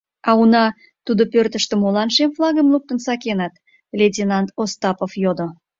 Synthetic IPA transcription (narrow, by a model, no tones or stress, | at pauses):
ɑunɑ | t̪ud̪opørt̪əʃt̪ə̆molɑnʃemflɑɣəmluk̚t̪ənsɑkenɑt̪ | lʲetʲinɑnt̪ost̪ɑpofjod̪o